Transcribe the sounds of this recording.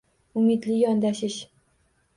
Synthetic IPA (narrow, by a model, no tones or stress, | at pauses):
ʊmɪd̪lɪjɒnd̪aʃɪʃ